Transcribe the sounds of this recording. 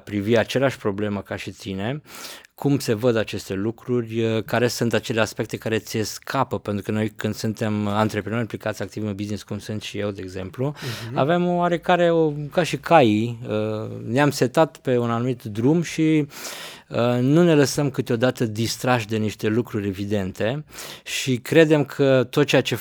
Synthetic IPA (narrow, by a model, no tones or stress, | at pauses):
pɾiviat͡ʃe̞leaʃʲpɾo̞ble̞məkaʃit̪ine̞kʰumse̞vəd̪at͡ʃe̞st̪e̞lukɾurʲəkaɾe̞sunt̪at͡ʃe̞leaspe̞k̚t̪e̞kaɾe̞t̪sʲeskʰapəpe̞nt̪ɾukəno̞jkɨnd̪sunt̪e̞mant̪ɾe̞pɾeno̞ɾimplikat̪sʲakt̪ivɨnbizniskumsunt̪ʃije̞wd̪e̞ːɡze̞mplua̰ve̞maɾe̞kaɾe̞okaʃikʰajiəneamse̞t̪at̪pe̞unanumit̪d̪ɾumʃi | ənune̞ləsəmkɨt̪eo̞d̪at̪əd̪ist̪ɾaʃd̪e̞niʃt̪e̞lukɾuɾʲe̞vid̪e̞nt̪e̞ʃikɾe̞d̪e̞mkʰət̪ot̪̚t͡ʃeat͡ʃe̞